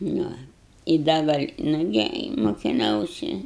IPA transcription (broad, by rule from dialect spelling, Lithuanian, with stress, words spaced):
ˈnʊ ɪ ˈdɐ ɡɐlʲ ˈnʊɡʲɪ ɪ mʊkʲɪˈnɐʊsʲɪ